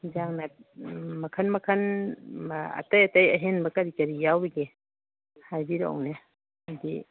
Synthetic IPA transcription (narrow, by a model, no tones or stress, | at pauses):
d͡ʒaŋnat̚mɐkʰɐnmɐkʰɐn | ɐ̰tɐjɐtɐjɐ̰ɦenbɐkɐɾikɐɾijawbeɡe | hajbiɾa̰wne | di